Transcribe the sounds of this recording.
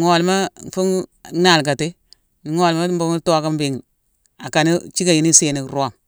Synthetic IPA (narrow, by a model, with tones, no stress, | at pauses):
ŋo˨lma˦˨fu˦ŋ˦na˨lka˨te˦ | ni˨ŋo˨lma˦mbo˦mu˦to˦ka˦m˦bi˦˨ŋ˨l | a˨ka˨ni˦t͡ʃi˦ka˨ji˨ni˦se˨ni˨kɾa˦˨m